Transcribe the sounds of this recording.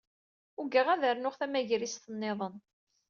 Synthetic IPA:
ʊɡəʁæðəɾnʊχθæmæʝɾist̪ənːeðˤən

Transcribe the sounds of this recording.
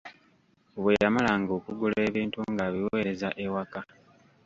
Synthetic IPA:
oβwejamalaŋɡo̞ːkuɡule̞ːβiːntuŋɡaːβiwe̞ːɾe̞zaʔewaka

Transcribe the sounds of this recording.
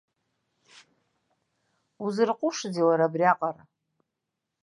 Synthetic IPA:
uzɨrqʷʼʊʂd͡zilaɾabriaqʼara

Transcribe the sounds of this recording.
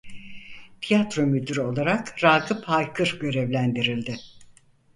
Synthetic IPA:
t̪ʰijat̪ɾo̞myd̪yɾo̞lˠaɾakɾalkʰɯpʰajkʰɯɾɟø̞ɾɛvlʲænd̪iɾilʲd̪ɪ

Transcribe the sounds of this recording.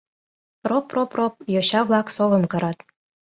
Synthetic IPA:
roproprop̚joɕɑβlˠɑksoβɤ̆mkɤ̆ɾɑt̪

